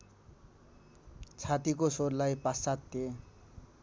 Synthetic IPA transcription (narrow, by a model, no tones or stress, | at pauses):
t͡sʰat̪ikosorlajpasat̪ːje